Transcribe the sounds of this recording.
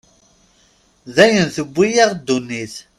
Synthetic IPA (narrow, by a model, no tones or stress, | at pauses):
ðæjənθəbʷːijaʁd̪ːunːiθ